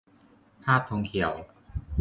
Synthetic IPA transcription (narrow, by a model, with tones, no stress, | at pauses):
pʰaː˥˩p̚t̪ʰo˧ŋkʰi˨˩ə˦w